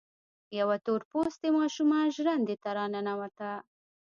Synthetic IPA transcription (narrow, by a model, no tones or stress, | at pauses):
jawat̪oɾpost̪emɑʃumɑnʒɾand̪et̪aɾɑnanawat̪a